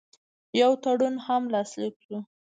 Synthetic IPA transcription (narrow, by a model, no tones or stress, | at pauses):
jawt̪aɽunhamlɑslikʃu